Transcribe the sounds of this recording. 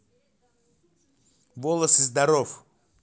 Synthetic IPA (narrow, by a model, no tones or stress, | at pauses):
volˠəsɨzd̪aɾof